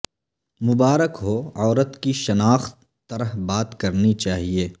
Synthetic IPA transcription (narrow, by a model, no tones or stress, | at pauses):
mʊbaːɾəkɦoɔːɾət̪kiʃɐnaːxt̪ːɐɾəɦbaːt̪kɐɾnit͡ʃaːɦieː